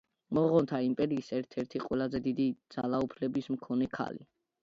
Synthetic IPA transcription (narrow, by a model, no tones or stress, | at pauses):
mɔʁɔnt̪ʰaimpʼɛɾiːsɛɾt̪ʰɛɾt̪ʰiqʼwɛlˠazɛd̪id̪id̪z̥alˠaupʰlɛbismkʰɔnɛkʰa̰lḭ